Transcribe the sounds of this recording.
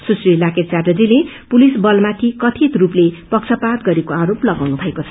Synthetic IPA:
susrilakett͡sardʌd͡zile | pulisbʌlmat̪ʰikʌt̪ʰit̪ruplepʌkt͡sʰʌpat̪ɡʌɾekoaɾoplʌɡawnubʱʌekot͡sʰʌ

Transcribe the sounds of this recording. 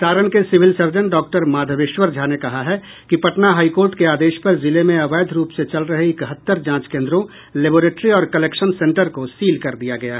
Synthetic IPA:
saːɾəñkesɪʋɪlsɐɾd͡ʒənɖɔːk̚ʈəɾmaːd̪ʱəʋɪʃwəɾd͡ʒʱaːnekɐɦaɦɛ | kipɐʈnaɦaːikoːɾʈkeaːd̪eːʃpɐɾzɪlemẽɐʋaːd̪ʱɾuːpset͡ʃɐlɾɐɦeɪkɦət̪ːəɾd͡ʒãːt͡ʃkẽːnd̪ɾõ | leːboːɾeːʈɾiɔːɾkɐleːkʃənsẽːɳʈəɾkosiːlkɐɾd̪ijaɡɐjaɦɛ

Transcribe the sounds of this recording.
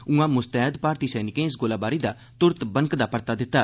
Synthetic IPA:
ũãːmʊst̪ɛːɦd̪paːɾt̪iːsɛːnɪkẽːɪsɡoːlaːbaːɾiːd̪aː | t̪ʊɾət̪bəŋkd̪aːpəɾt̪aːd̪ɪt̪ːaː

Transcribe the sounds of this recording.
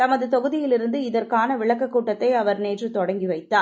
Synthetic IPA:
t̪ɐmɐðɯt̪ɔɣɯðɪjɪlɪɾɯnd̪ɯɪðɐrkaːnɐʋɪɭɐkːɐkːuːʈːɐt̪ːɐɪɐʋɐɾneːdrɯt̪ɔɽɐŋɡiʋɐɪt̪ːaː

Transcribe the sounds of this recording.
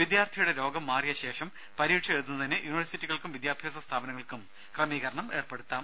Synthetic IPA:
ʋid̪jaːrt̪ʰijuɽe̞ɾo̞ːɡɐmːaːrijɐɕe̞ːʂɐm | pɐɾiːʈʂɐet̪unːɐt̪ɐnːejuniʋɐrsitːiɣɐɭkumʋid̪jaːbʱjaːs̬ɐst̪ʰaːbɐnɐŋːɐɭkum | krɐmiːɣɐɾɐɳɐme̞ːrpe̞ɽut̪ːaːm

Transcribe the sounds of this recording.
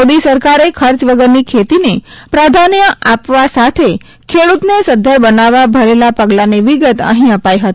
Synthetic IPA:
od̪isəɾkaɾekʰəɾt͡ʃʋəɡəɾnikʰet̪inepɾad̪ʱanjəʔapʋasat̪ʰe | kʰeɽut̪nesəd̪ʱəɾbənaʋabʱəɾelapəɡlaniʋiɡət̪ə̰ɦĩəpajɦət̪

